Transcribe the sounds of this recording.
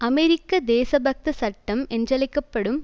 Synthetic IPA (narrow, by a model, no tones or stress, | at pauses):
ɐmɛɾɪkːɐd̪eːsɐbʱɐk̚t̪ɐsɐʈːɐmɛndrɐlɐɪkːɐpːɐɽɯm